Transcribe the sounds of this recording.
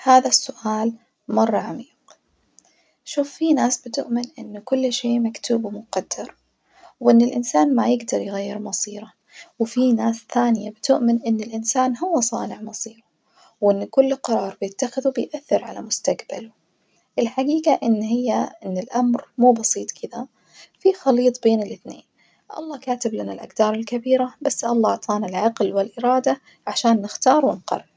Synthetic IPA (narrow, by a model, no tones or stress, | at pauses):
haːðasːʊʔaːl | mɑrˤːɑʕamiːq | ʃuːfːinaːsbɪt̪ʊʔmɪnʔɪnːʊkʊlːʃeːmakt̪uːbmʊqɑd̪̥ːɑɾˤ | wʔɪnːɪlʔɪnsaːnmajɪɡd̪ɑɾˤjɣajːɪɾmɑsˤiːɾˤɑ | wfinaːsθaːnɪjabɪt̪ʊʔmɪnʔɪnːɪlʔɪnsaːnɦʊwːasˤɑːnɪʕmɑsˤiːɾa | wʔɪnːkʊlːqɑɾˤɑːɾˤbɪjɪt̪ːaxɪðubɪjʔaθːɪɾʕalamʊst̪aqba̰lʊ | ʔɪlħaɡiːɡaʔɪnːhɪjːaʔɪnːɪlʔamɾmuːbɑsˤiːt̪ˤkʰɪd̪a | fixɑliːt̪ˤbeːnɪlʔɪθnḛːn | ʔɑ̰lˤːɑːkaːt̪ɪblanalʔa̰ɡd̪ɑːɾˤɪlkabiːɾabasːʔɑlˤːɑːʕt̪ˤɑːnalʕɑqlwɪlʔɪɾɑːd̪a | ʕaʃaːnːɪxt̪ɑːɾˤwɪnqɑ̰rˤː